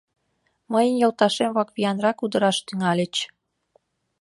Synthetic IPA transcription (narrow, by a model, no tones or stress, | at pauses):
məjənjolt̪ɑʃemβɑkβijɑnrɑkud̪əɾɑʃt̪yŋɑlʲet͡ɕ